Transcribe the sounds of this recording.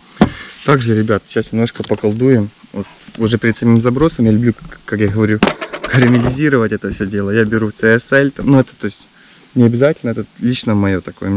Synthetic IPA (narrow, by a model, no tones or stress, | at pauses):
t̪aɡʐɨɾʲɪbʲat̪ɕːasnʲɪmno̞ʂkəpəkɐlˠd̪ujɪmot̪ʊʐɛpʲɪɾʲɪt̪sɐmʲimzɐbɾo̞səmjalʲʊblʲukakjaɣəvɐɾʲukəɾɐmʲɪlʲɪzʲiɾəvətʲɛt̪əfsʲɵdʲe̞lˠəjabʲɪɾut̪sɛɛsɛlʲt̪amnuɛt̪ə̥t̪o̞ɪsʲtʲ | nʲɪɐbʲɪzatʲɪlʲnəɛt̪əlʲit͡ɕnəmɐjo̞t̪ɐko̞jəm